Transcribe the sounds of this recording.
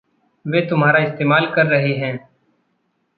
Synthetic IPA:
ʋeːt̪ʊmɦaːɾaɪst̪eːmaːlkɐɾːɐɦeɦɛ̃ː

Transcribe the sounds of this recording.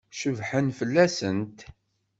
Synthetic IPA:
ʃəvħənfəlːæsənt̪

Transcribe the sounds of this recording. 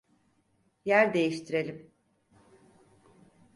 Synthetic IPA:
jæɾd̪e̞jiʃt̪ʰiɾe̞lʲim

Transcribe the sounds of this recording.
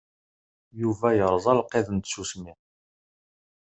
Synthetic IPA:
juvæjəɾˤzˤɑlqːeðənt̪susmi

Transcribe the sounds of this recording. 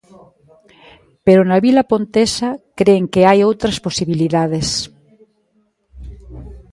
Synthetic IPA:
peɾonaβilapont̪esakɾeŋkeajowt̪ɾasposiβiliðað̞es

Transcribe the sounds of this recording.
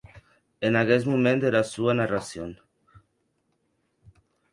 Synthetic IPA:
enaɣesmumẽnd̪eɾasuanarasjoŋ

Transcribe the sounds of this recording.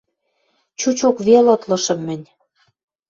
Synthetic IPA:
t͡ɕut͡ɕokβelɤ̆t̪lɤ̆ʃɤ̆mːɘ̆nʲ

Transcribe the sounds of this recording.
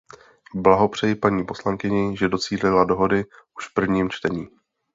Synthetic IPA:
blaɦo̞pr̝̥ɛjɪpaɲiːpo̞slaŋkɪɲɪʒɛdo̞t͡siːlɪlado̞ɦo̞dɪʔuʃfpr̩vɲiːmt͡ʃt̪ɛɲiː

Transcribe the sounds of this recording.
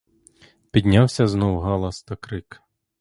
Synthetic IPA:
pʲid̪ʲnʲawsʲɐznɔwɦɑlˠɐst̪ɐkɾɪk

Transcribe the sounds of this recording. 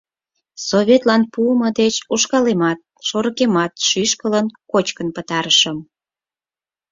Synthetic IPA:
soβʲet̪lɑnpuəməd̪et͡ɕuʃkɑlemɑt̪̚ʃoɾəkemɑt̪ʃyʃkələnkot͡ɕkənpət̪ɑɾəʃəm

